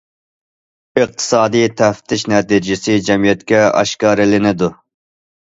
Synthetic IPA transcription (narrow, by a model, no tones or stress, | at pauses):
ɨq̚t̪ʰɨ̥sɑːd̪ijt̪ʰɛft̪ʰɪʃnɛt̪id͡ʒɪsɪd͡ʒɛmijɛt̪kʲɛɑ̰ʃkɑːɾɪlɪnɪd̪u